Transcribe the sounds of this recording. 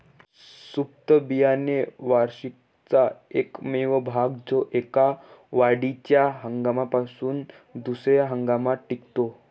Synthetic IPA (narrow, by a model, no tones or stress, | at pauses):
sup̚t̪əbijaneʋaɾɕik̚ | t͡saekmeʋəbʱaɡd͡zoʔekaʋaɽit͡ɕjaɦəŋɡamapasuːn | d̪usɾjaɦəŋɡamaʈːikt̪o